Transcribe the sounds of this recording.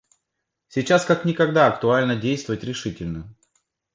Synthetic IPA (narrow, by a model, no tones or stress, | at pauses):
sʲit͡ɕaskaknʲɪkɐɡd̪aɐkt̪ʊalʲnədʲejst̪vəvətʲɾʲɪʂɨtʲɪlʲnə